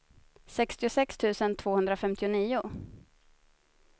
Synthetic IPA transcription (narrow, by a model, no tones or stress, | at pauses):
sɛkst̪ɪʊsɛkst̪ʰʉ̟ːsənt̪ʰv̥oːhɵnd̪ɾafɛmt̪ɪʊniːʊ